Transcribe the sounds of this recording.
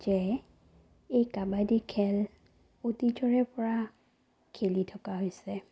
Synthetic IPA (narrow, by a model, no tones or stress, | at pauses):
d͡ʒɛ | ejkabadikʰɛl | otid͡ʒɔɹɛpɔɹa | kʰelitʰɔkaɦojsɛ